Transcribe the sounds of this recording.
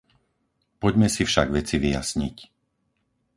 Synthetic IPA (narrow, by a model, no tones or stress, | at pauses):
pɔɟmɛsifʃaɡʋɛt͡siʋija̰sɲḭc